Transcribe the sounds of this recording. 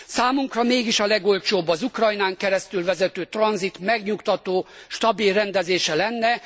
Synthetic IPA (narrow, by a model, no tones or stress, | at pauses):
saːmuŋkrɒmeːɡiʃɒlɛɡo̞lt͡ʃoːbːɒzukrɒjnaːŋkɛɾɛst̪ylvɛzɛt̪øːt̪rɒnzit̪mɛɡɲukt̪ɒt̪oːʃt̪ɒbilrɛnd̪ɛzeːʃɛlɛnːɛ